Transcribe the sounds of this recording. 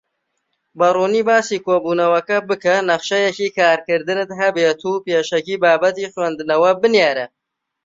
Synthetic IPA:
bɐruːniːbaːsiːkoːbuːnɐwɐkɐbɨkɐnɐχʃɐjɛciːkaːɾkɨɾd̪ɨnɨt̪ɦɐbeːt̪ʰuːpeːʃɐkiːbaːbɐt̪iːxwɛnd̪ɨnɐwɐbɨnjeːɾɐ

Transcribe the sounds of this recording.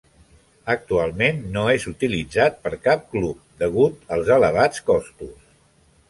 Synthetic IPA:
ək̚t̪ualˠmenːoezut̪ilid͡zat̪̚pəɾkap̚klup̚d̪əɣut̪əlˠzələβ̞at͡skɔst̪us

